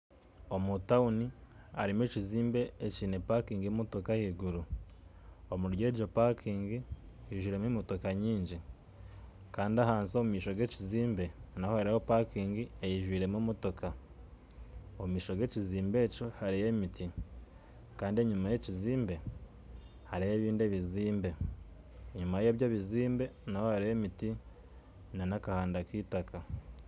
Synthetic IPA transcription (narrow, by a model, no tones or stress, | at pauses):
omutaunia̰ɾimweciziːmbe̞ːciːne̞pakiːŋɡimoto̞kahiɡuɾu | omuɾje̞ːd͡ʒopakʰiːŋɡijiːʒwiːɾe̞mimoto̞kaɲiːɲɟi | kaːndiaɦaːnsomumiːʃo̞ɡe̞ciziːmbe̞nahohaɾihopakiːŋɡiejiʒwiːɾe̞mumoto̞kʰa | omumiːʃoɡe̞ciziːmbe̞t͡ʃo̞haɾijemitʰi | kaːndieɲumajeciziːmbe̞ | haɾijeːβiːndeβiziːmbe̞ | ɲumajejoβɟaβiziːmbe̞naho̞haɾijemiti | nanakahaːndakiːtakʰa